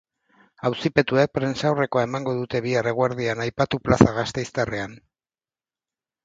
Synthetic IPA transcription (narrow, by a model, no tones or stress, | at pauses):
awsipe̞t̪uek̚pɾe̞nsawre̞ko̞ae̞maŋɡo̞ðut̪e̞βiare̞ɣwaɾð̞ianajpat̪uplasaɣast̪e̞jst̪are̞an